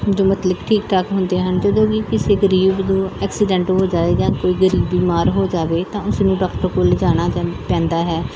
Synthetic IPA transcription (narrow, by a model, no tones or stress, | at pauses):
d͡ʒoːmət̪ləbʈʰiːk̚ʈaːkɦʊnd̪eːɦənd͡ʒəd̪õːɡiːkɪseːɡəɾiːbnũːɛːksɪɖɛ̃ːɳʈɦoːd͡ʒaːʋeːd͡ʒãːkoːiːɡəɾiːbiːmaːɾɦoːd͡ʒaːʋeːt̪ãːʊsnũːɖaːkʈəɾkoːld͡ʒaːɽ̃aːpɛ̃ːnd̪aːɦɛː